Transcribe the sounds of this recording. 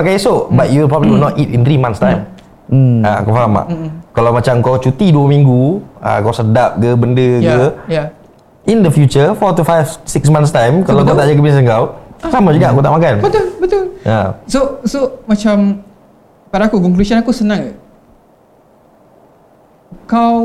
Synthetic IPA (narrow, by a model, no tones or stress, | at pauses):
okajsoʔbatjulpɾɔbliwilnɔtitint̪ɾimãnst̪ãjm | akawfaɦama̰ʔkalawmat͡ʃamkawt͡ʃut̪iduəmĩŋɡua̰kawsədap̚ɡəbəndəjəja | ʔindəfjut͡ʃəfɔt̪ufajfsiksmãnst̪ãjmkalawkawt̪aʔd͡ʒak̬əbins̬ənkawsamad͡ʒuɡaʔakut̪aʔmakanbət̪ulbət̪ulʔasosomat͡ʃam | padaːkukɔŋklusɔnakusənãŋ | kaw